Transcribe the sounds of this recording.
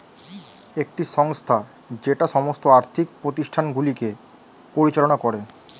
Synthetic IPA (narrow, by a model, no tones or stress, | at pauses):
ek̚ʈiʃɔŋst̪ʰa | d͡ʑeʈaʃɔmost̪oaɾt̪ʰik̚pɾot̪iʃʈʰanɡulike | poɾit͡ɕalonakɔɾe